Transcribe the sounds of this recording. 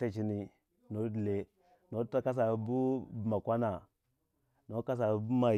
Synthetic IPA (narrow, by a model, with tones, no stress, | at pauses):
ta˦t͡ʃi˨ni˨ | no˦dle˨ | no˦ta˦ka˦s̬a˨˦bu˦bma˨kʷa˦na˨ | no˦ka˦s̬a˨˦bu˦ma˨